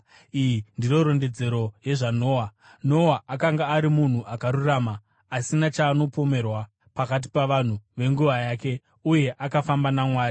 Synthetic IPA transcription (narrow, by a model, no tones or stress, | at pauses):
ijindiro̞ɾo̞nde̞d͡ze̞ɾo̞je̞ʐano̞ːwa | no̞waʔakaŋɡaːɾimun̤uʔakaɾuraːmaː | sinat͡ʃaːno̞po̞me̞rwa | pakat̬i̥paʋan̤uʋe̞ŋɡuʋajaːke̞ | uje̞ʔakafambanamwaːri